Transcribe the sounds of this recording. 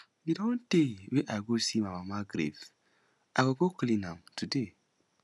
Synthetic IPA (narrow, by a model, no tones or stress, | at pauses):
jidɔ̃nteweʔajɡosimamamaɡɾḛv̥ | ʔaɡoɡoklĩnãmtʰude